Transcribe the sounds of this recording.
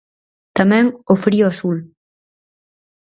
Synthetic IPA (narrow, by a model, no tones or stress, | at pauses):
t̪amɛ̃ŋofɾiʊasul